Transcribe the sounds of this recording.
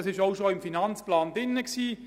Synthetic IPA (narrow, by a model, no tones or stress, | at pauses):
ɑsɪʃaʊʃoɪmfinɑnt͡splaːndɪnːəksiː